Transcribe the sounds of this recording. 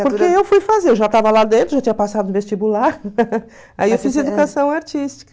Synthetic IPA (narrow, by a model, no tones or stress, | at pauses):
poɾkeewfujfazeɾewʒat̪avɐlad̪ẽnt̪ɾʊʒat͡ʃiɲɐpasad̪ʊ̃vest͡ʃibulaɾ | a̰iewfized̪ukasɐ̃w̃aɾt͡ʃist͡ʃi̥kɐ